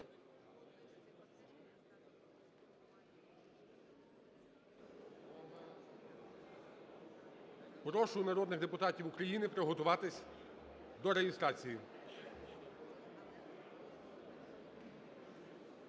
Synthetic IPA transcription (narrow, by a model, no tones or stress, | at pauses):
pɾɔʃʊnɐɾɔd̪nɪɣd̪epʊt̪ɑtʲiwukɾɐjinɪpɾɔɦɔt̪ʊʋɑt̪ɪsʲ | d̪ɔɾeɦɪst̪ɾɑt͡sʲiji